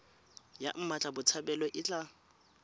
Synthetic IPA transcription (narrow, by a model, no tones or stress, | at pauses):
ja̰m̩mat͡ɬʼabʊt͡sʰabɛlɔʔɪt͡ɬʼa